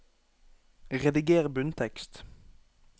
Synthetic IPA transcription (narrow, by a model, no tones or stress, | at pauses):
ʁɛd̪ɪɡeːʁbʉnt̪ʰɛkst̪